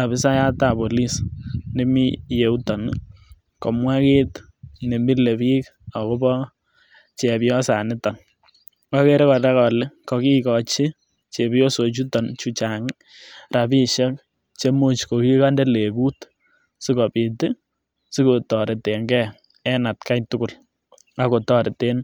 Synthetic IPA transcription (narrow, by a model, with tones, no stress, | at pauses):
a˨βɪ˦sa˦ja˦ta˨po˨li˦sne˦mi˦je˨u˦tɔ˨n | kɔ˨mwa˦ke˦t | ne˨mi˦le˨βi˦k | a˨ko˦bɔ˦ | t͡ʃɛ˨pɪ˦ɔ˦sa˨nɪ˦tɔ˨n | kɔ˦ke˦ɾe˦kɔ˨tɛ˦kɔ˨lɪ˦kɔ˨ki˦kɔ˨t͡ʃɪ˦ | t͡ʃe˨bjo˦so˨t͡ʃu˦tɔ˨nt͡ʃu˦t͡ʃa˨ŋɪ | ra˨pi˦ʃɛ˦k | t͡ʃe˦mo˦t͡ʃko˨ki˦ka˦ndɛ˦le˨ku˦t | sɪ˦kɔ˨pɪ˨tɪ˦ | sɪ˦ko˨tɔ˨ɾɪ˨te˨ŋɡɛ˦ | ɛ˦na˨tka˦jtʊ˦kʊ˨l | a˦ko˨tɔ˦ɾɪ˨te˦n